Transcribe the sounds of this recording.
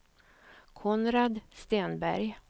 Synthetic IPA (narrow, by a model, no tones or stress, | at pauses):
kʰɔnɾad̪st̪eːnbæ̰ɾj